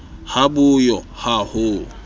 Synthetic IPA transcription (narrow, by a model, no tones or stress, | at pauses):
habʊjɔhahʊ